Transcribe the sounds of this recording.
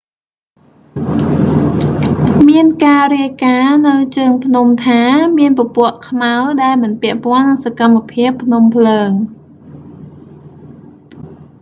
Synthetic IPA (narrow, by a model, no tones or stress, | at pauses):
miənkaːriəjkaːnɨwt͡ɕəːŋpʰnumt̪ʰaːmiənpopʊ̆əʔkʰmawɗaɛlmɨnpɛ̆əʔpŏənːɨŋsakamːapʰiəpʰːnumpʰləːŋ